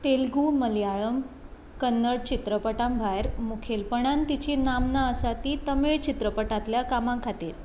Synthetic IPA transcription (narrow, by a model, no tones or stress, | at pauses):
t̪elɡuməljaɭəm | kənːəɽt͡ɕit̪ɾəpəʈãmbʱajɾmukʰelpəɳ̃ãnt̪it͡ɕinamnaəsat̪iːt̪əmeɭt͡ɕit̪ɾəpəʈãt̪ljakamãkʰat̪iːɾ